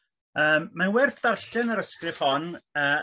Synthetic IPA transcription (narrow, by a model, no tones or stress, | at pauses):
əːmːanwɛrθdarɬɨnəɾəskrɪv̥hɔnəː